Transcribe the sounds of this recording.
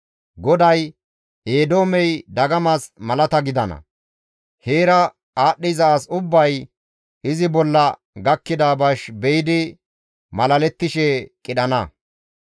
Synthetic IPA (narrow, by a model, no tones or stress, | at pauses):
ɡɔd̪ɐj | eːd̪o̞ːmɛjd̪ɐɡɐmɐsmɐlɐt̪ɐɡɪd̪ɐnɐ̰ | heːɾɐ | aːɗːɪjzɐasʊbːɐj | ɪzɪbɔlːɐ | ɡɐkːɪd̪aːbɐʃbɛjɪd̪ɪ | mɐlɐlɛt̪ːɪʃɛkʼɪɗɐnɐ